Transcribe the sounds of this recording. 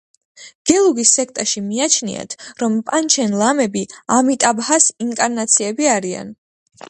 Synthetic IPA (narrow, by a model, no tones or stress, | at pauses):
ɡ̥ɛlˠuɡisːɛk̚ʰt̪ʼɛʃimiat͡ʃʰnḭa̰t̪ʰɾɔmpʼant͡ʃʰɛnlˠamɛbiamit̪ʼabhasiŋkʼaɾnat̪sʰiɛbiaɾia̰n